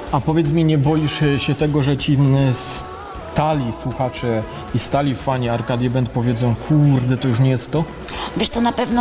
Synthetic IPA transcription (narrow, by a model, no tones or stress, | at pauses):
apɔvʲjɛt̪smʲiɲɛbɔjiʂɕɛt̪ɛɡɔʐɛt͡ɕis | t̪alʲiswuxat͡ʂɛ | ist̪alʲifaɲɛaɾkad̪ʲjɛbɛnt̪̚pɔvʲjɛd̪zɔ̃w̃kʰuɾd̪ɛt̪ɔjuʂ̬ɲɛjɛst̪ːɔ | vʲeɛʂt̪sɔnapɛvnɔ